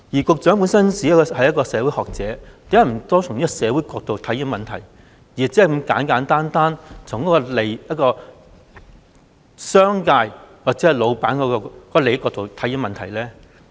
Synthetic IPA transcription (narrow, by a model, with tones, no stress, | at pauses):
jiː˨˩kʊ˨˧k̚t͡sœː˨˥ŋp̬uː˨˥nsɐ˥nsiː˨˥ɐ˥kɔ˧hɐ˨jɐ˥tkɔː˧sɛː˨˧wu˨˥jhɔː˨k̚t͡sɛː˨˥t̪e˨˥jɐ˥˩m̩˨˩t̪ɔː˥tʰʊ˨˩ŋniː˥kɔ˧sɛː˨˧wuː˨˥jkɔː˧k̚t̪o˨wt̪ʰɐ˨˥ji˨˧˥mɐ˨nt̪ʰɐ̰˨˩j | jiː˨˩˨t͡siː˨˥˨kmɐ˧mkaː˨˥nkaː˨˥nt̪aː˥nt̪aː˥nt͡sʰʊ˨˩ŋkɔː˨˧˥ɔ˧le˨˩jjɐ˥t̚kɔː˧ | sœː˥ŋkaː˧jwaː˨k̚t͡sɛː˨˥ɐ˨jlo˨˧wpaː˨˥nkɔː˨˧˥kɔ˧kɔː˨˧˥ɔ˧le˨˧jkɔː˧k̚t̪o˨wt̪ʰɐ˨˥ji˨˧˥mɐ˨nt̪ʰɐ˨˩jlɛː˥